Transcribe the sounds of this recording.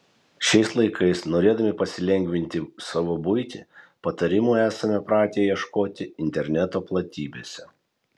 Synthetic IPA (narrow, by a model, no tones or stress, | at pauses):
ʃʲɛɪslˠɐɪkʰɐɪsnoːɾʲeːd̪ɐmʲɪpɐsʲɪlʲɛŋʲɡʲʋʲɪnʲt̪ʲɪsɐʋoːbʊɪt̪ʲɪ̰pɐt̪ɐɾʲɪmuːæːsɐmʲɛpɾɑːt̪ʲeːjɛʃkoːt̪ʲɪɪnʲt̪ʲɛɾʲnʲɛt̪oːplˠɐt̪ʲiːbʲeːsʲɛ